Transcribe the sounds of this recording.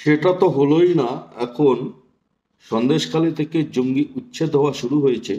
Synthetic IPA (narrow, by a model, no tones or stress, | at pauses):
ʃeʈat̪oɦolojnaɛkʰon | ʃɔnd̪eʃkalit̪ʰeked͡ʑoŋɡiʔutːɕʰed̪ʱɔoaʃuɽuɦojet͡ɕʰe